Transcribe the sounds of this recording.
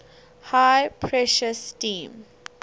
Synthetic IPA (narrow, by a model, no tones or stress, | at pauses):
hajpʰɹɛʃəstĩːm